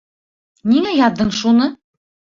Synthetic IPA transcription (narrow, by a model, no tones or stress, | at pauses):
niŋæjɑd̪ɤɴʃunɤ